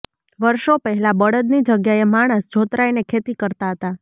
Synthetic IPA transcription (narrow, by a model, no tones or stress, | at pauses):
ʋəɾʃopəɦɛlabəɽəd̪nid͡ʒəɡjaemaɽ̃əsd͡ʒʱot̪ɾainekʰet̪ikəɾt̪aɦət̪a